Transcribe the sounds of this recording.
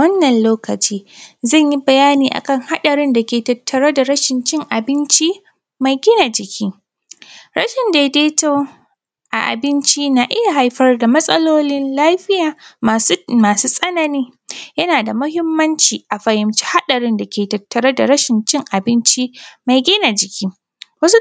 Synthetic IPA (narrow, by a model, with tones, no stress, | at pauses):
wɐ˦nːɐ˨nloː˦kɐ˨t͡ʃiː˦zɐ˦˨ɲji˦bɐ˨jaː˦niː˨ʔa̰˨kɐ˦ŋha˦ɗɐ˨ɾɪ˦nda˨kʲeː˨tɐ˨tʰːɐ˨ɾɐ˦da˨ɾɐ˦ʃɪ˨nt͡ʃɪ˦ŋʔa˨bɪ˦nt͡ʃi˦ | ma˨jɡʲɪ˦na˨d͡ʒɪ˨kʲʰi˦ | ɾɐ˦ʃɪ˨nda˨deː˦to˦ | ʔa˨ʔa̰˨bɪ˦nt͡ʃi˦na˨ʔɪ˦ja˨ɦa˨jɸɐ˦rda˨mɐ˦sʼɐ˦loː˦nɪ˦nlaː˦ɸɪ˦jaː˨ | maː˨suː˦sʼɐ˦nɐ˨niː˦jɐ˦naː˨da˨mʊ˦hɪ˦mːɐ˦nt͡ʃiː˨ʔa˨ɸɐ˨jɪ˨mt͡ʃi̥˦ha˦ɗɐ˨ɽɪ˦nda˨kʲeː˨tɐ˨tːɐ˨ɾɐ˦da˨ɾɐ˦ʃɪ˨nt͡ʃɪ˦ŋʔa˨bɪ˦nt͡ʃi˦ma˨jɡʲɪ˦na˨d͡ʒɪ˨kʲiː˦ | wɐ˦su˦